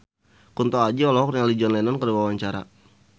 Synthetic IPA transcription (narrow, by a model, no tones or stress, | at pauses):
kunt̪ɔad͡ʒiɔlɔɦɔkrŋalid͡ʒɔnlɛnɔnkəduwawaɲt͡ʃaɾa̰